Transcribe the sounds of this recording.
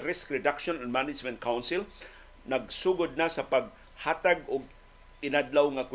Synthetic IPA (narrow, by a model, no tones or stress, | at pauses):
ɾɪskɾɪdakʃɔnanmanɪd͡ʒmɛ̃nt̪̚kawnsɪl | naɡsuːɡʊd̪̚nasapaɡ̚ | haːt̪aɡʊɡ̚ | ɪnadlawŋak